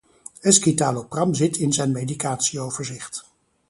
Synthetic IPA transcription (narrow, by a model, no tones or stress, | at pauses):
ɛskitaːloprɑmzɪtʰɪnzɛjnmejdikaːtsiowv̥əɹzɪχt